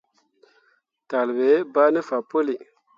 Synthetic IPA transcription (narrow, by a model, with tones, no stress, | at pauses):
ta˨lbe˨˦ba˦ni˦fa˨po˦li˨